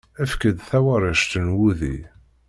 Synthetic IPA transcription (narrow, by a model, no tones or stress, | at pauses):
æfkəd̪θæwaɾˤəʃt̪ənwuðḭ